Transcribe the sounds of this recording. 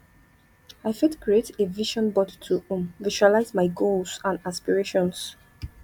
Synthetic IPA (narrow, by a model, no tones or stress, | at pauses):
aɪfɛtkɹieteviʃɔ̃nbɔditʰuɔ̃mviʃualaɪzmaɪɡolsãnaspiɹeʃɔ̃ns